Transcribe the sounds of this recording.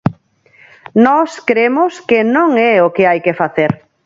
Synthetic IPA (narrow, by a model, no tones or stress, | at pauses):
nɔskɾemʊskenõŋɛokɪajkefaθeɾ